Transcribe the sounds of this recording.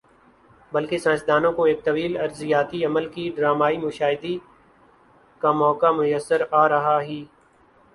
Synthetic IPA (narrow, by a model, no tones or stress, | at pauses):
bəlkesãːt͡ʃd̪aːnõkoeːk̚t̪ɐʋiːlɐɾzɪjaːt̪iɐməlkiɖɾaːmaːimʊʃaːɦɪd̪i | kamɔːkamʊjəsːəɾaːɾɐɦaɦiː